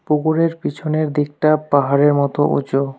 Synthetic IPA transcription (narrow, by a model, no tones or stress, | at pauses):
puɡuɾeɾpit͡ɕʰoneɾd̪ik̚ʈapaɦaɾeɾmɔt̪oʔo̰d͡ʑo